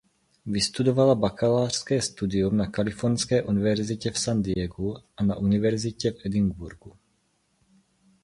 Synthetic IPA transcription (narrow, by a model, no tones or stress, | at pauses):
vɪst̪udovalabakalaːr̝̥skɛːst̪udɪumnakalɪfoɾnskɛːʔunɪvɛɾzɪcɛfsand̪ɪɛɡuʔana̰ʔunɪvɛɾzɪcɛfʔɛdɪŋɡbuɾɡu